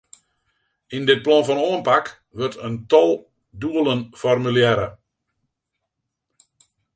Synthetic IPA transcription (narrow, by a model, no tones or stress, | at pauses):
indɪt̚plɔnfɔnoənpak | ʋøtʰəntɔlˠ | duəlˠənfɔrmyljɛɾə̰